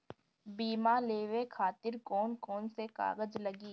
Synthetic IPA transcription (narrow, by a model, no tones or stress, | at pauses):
biːmaleːʋekʰaːt̪ɪɾkɔːnkɔːnseka̰ːɡəd͡ʒlɐɡiː